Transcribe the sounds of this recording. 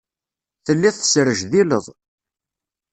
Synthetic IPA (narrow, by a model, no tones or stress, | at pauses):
θəlːiθə̥sɾəʒðiləðˤ